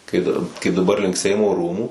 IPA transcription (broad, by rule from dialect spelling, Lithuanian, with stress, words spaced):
kɐɪ dɐr kɐɪp dɐˈbɐr lʲɪŋk ˈsʲɛɪmoː ˈruːmuː